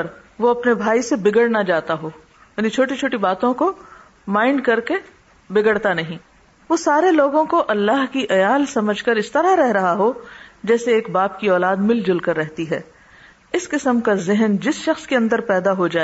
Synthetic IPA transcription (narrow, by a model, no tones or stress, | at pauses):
ɾʋoɐpnebʱaːisebɪɡəɽnad͡ʒaːt̪aɦoː | jaːnit͡ʃʰoːʈit͡ʃʰoːʈibaːt̪õko | maːɪɳɖ̚kɐɾke | bɪɡəɽt̪anɐɦĩː | ʋoːsaːɾeloːɡõkoʔɐlːaːɦkiʔɐjaːlsɐməd͡ʒʱkəɾɪst̪ɐɾaɾɛɦɾɐɦaɦod͡ʒɛːseːkbaːp̚kiɔːlaːd̪mɪld͡ʒʊlkɐɾːɛɦt̪iɦɛː | ɪskɪsəmkazɪɦənd͡ʒɪsʃɐxskeɐ̃nd̪əɾpɛːd̪aɦod͡ʒaːe